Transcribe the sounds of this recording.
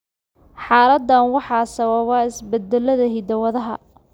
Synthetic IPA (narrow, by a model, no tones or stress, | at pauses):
ħɑːɾɐd̪ːɐnwɑħɑːsɐβɐβɑːɪsbɛd̪ɛlːɐðɐɦid̪ɐwɐðɐɦɐ̰